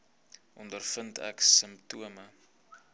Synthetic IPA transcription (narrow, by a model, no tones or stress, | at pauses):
ʔɔndərfəntɛ̰ksəmptuəmə